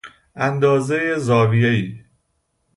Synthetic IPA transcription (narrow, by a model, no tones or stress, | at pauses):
ʔænd̪ɒːzejezɒːvijeiː